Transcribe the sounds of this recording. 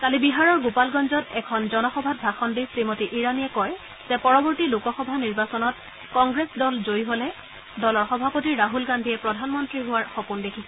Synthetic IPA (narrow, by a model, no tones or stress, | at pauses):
kalibiɦaɹɔɹɡopalɡɔnzɔtɛkʰɔnzɔnɔxɔbʱat̚bʱaxɔndisɹimotiʔiɹanijɛkɔɹ | z̥ɛ̃pɔɹɔbɔɹtilukɔxɔbʱaniɹbasɔnɔt̚ | kɔŋɡɹesdɔlzojɦolɛ | dɔlɔɹxɔbʱapotiaɦulɡandʱiɛpɹɔdʱanmɔntɹiɦʊwaɹxopundekʰisɛ